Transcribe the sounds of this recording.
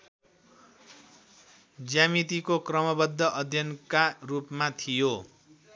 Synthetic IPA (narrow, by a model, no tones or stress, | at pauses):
d͡zjamit̪ikokrʌmʌbʌd̪ʱːʌʔʌd̪ʱjʌnkarupmat̪ʰijo